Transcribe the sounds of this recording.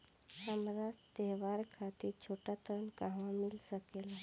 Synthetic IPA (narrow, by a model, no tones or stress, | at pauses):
amɾat̪eɦʋaɾkʰat̪iɾt͡ʃʰoʈat̪əɾənkaɦʋãmilsəkela